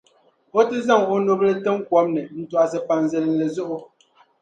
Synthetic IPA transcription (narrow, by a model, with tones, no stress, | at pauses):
o˦tɨ˦za˦˨ŋo˦no˨blɛ˦tə˦ŋ˦kwɔ˨˦m̚nɛ˨n̩˦twa˨s̬ɛ˦pa˨n˨zɛ˦ln̩˨lɛ˨zo˦ʔʊ˦